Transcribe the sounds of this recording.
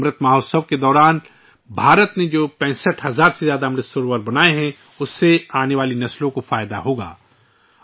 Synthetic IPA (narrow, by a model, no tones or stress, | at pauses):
mɾət̪maːɦoːsəʋked̪ɔːɾaːn | bʱaːɾət̪ned͡ʒoːpɛ̃ːsəʈɦɐzaːɾsezjaːd̪aɦmɾəsʊɾʋəɾbɐnaːeɦɛ̃ | ʊsːeaːneʋaːlinɐslõkofaːjd̪a̰ɦoːɡa̰ː